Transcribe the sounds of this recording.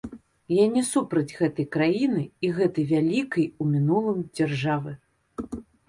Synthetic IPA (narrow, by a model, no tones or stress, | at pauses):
janʲɛsupɾɐd͡zʲɣɛt̪ɐjkɾajinɨiɣɛt̪ɐjvʲalʲikɐjumʲinulˠɨmd͡zʲarʐavɨ